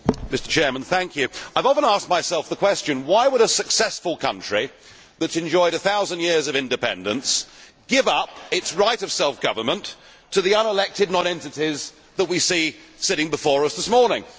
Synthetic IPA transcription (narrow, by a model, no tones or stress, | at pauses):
mɪstə˞t͡ʃʰɛɹmə̃nθæ̃ŋkʰjʉaɪvɑfə̃næsk̚maɪsɛlˠfðəkʰw̥ɛst͡ʃɨ̃nwaɪwəɾəsɨksɛsfəl̩ˠkʰʌ̰̃nt͡ʃɹ̥i | ðɨtsɨ̃nd͡ʒɔɪɾɨθaʊzɨ̃njɪɹzʌvɪ̃ndɨpʰɛ̰̃ndɨ̃ns | ɡ̥ɪvʌpɪtsɹaɪɾʌv̥sɛlˠfɡ̥ʌvə˞mə̃ntʰ | ɨðiʌ̃nəlɛk̚tɨdⁿnɑ̃ñɛ̃ntɨɾiz | ðət̚wisisɪɾɪ̃ŋbəfɔɹʌsðɪsmɔɹnɪ̃ŋ